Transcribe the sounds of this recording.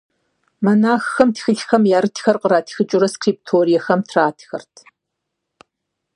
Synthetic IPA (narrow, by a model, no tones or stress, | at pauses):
mɐnaːxxɐmtʰxɨɬxɐmjaːɾɨtʰxɐrqəɾaːtʰxɨt͡ʃʼʊɾɐskriːp̚tʰoːɾijɐxɐmtʰraːtʰxɐ̰rtʰ